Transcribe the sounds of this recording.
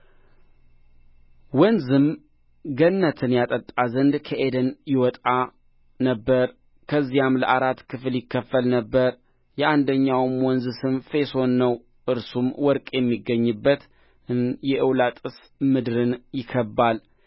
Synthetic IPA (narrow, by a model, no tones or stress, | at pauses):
wɔnzɨm | ɡənːət̪ʰɨnjat̪ʼət̪ʼːazənd̪kʰəʔed̪ənjɪwɔt̪ʼa | nəbːəɾ | kʰəzːijamləʔaɾat̪kʰɨfljɪkːəfːəlnəbːəɾ | jɛʔand̪əɲːawmwɔnzɨsɨmfe̞so̞nːəw | ʔɨɾsumwɔɾkʼjɛmːiɡːəɲːɨbːət̪ | ɨnjɛʔɨwlat̪ʼɨs | mɨd̪ɾɨnjɪkʰəbːal